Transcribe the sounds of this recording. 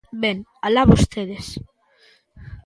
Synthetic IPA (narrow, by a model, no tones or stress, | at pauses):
benalaβust̪eð̞es